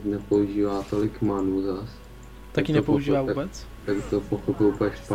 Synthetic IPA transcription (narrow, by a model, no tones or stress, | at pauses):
nɛpouʒiːvaːt̪olɪkmanuzas | t̪akɪnɛpouiːvaːvuːbɛt͡s | t̪akt̪opoxopopɛʃpa